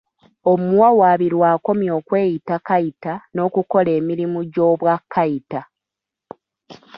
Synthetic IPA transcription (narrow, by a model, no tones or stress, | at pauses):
omuwawaːβiɾwaːko̞mjo̞ːkwe̞ːjitakaitano̞ːkuko̞le̞ːmiɾimuɟo̞ːβwakʰːaita